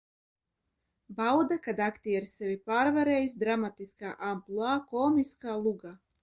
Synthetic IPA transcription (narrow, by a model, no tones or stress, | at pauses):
bawd̪akad̪akt̪iaɾsɛvʲipaːɾvaɾeːjisd̪ɾamat̪iskaːʔamplˠuaːkɔːmiskaːlˠuɡaː